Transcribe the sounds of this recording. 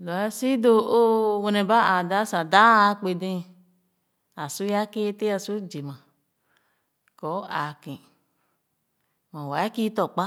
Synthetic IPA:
lɔ˨ɛ˦si˦do˧o˦wo˧nɛ̃˨ba˦a˨da˦sã˨da˦a˨˦k͡pe˧dẽ˦˨ | a˨su˦ja˦ke˦te˦a˨su˦d͡ʒe˨mã˨ | kɔ˨˦a˨kẽ˨ | mã˨wa˨˦a˦ki˦t̪ɔ˨k͡pa˦

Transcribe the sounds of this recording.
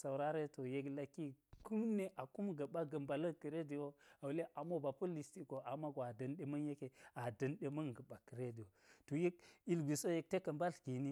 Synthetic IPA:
sa˨wɾa˦ɾe˦to˨je˦kla˦kːi˦ku˦mne˦ʔa˨ku˦mɡə˨ɓa˦ɡə˨mba˨lə˦ki˨ɾe˦di˨wo˦a˨wu˨le˦ʔa˨mo˦ba˨pu˦li˨sti˦ko˨a˨ma˦ɡo˨a˨dɐ˨nɗe˦mɐ˦nje˦ke˨a˨dɐ˨nɗe˦mɐ˦ŋɡə˨ba˨kə˨ɾe˦di˨o˨to˨je˦k̚i˨lɡʷi˨so˦je˦k̚te˦kə˨mba˦ɬki˨ni˦

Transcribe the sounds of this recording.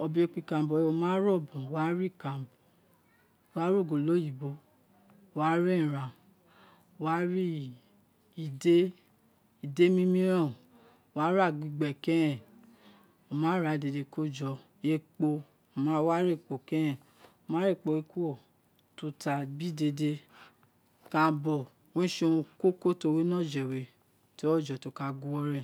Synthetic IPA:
ɔ˧bi˨˦e˧˨k͡pi˧˨kã˨bɔ˨o˧˨mã˦ɾɔ˦˨bũ˨wa˦ɾi˦˨kã˨bɔ˨ | wa˦ɾo˦˨ɡo˨lo˦ji˨bo˨˦˨ | wa˦ɾĩ˦˨ɾã˨ | wa˦ɾi˦ | i˨de˦ | i˨de˦mĩ˦mĩ˦ɾã˦˨ | wa˦ɾa˦˨ɡi˧ɡ͡bɛ˨kɛ̃˦ɾɛ̃˦˨ | o˨mã˨˦ɾa˨de˧˨de˧ko˦˨d͡ʒɔ˧˨ | e˧k͡po˧˨ | mã˦wa˦ɾe˦˨k͡po˨kɛ̃˦jɛ̃˨ | o˨mã˨˦ɾe˦˨k͡po˨˧˨e˧ku˦o˦˨ | tu˧ta˨bi˦de˧de˧ | kã˧˦bɔ˨ | wẽ˦ʃõ˧ko˦ko˦to˧we˦nɔ̃˦˨d͡ʒɛ˨we˨ | ti˦ɔ˦˨d͡ʒɔ˨to˨˧˦ka˧ɡu˦wɔ˧ɾɛ̃˦˨

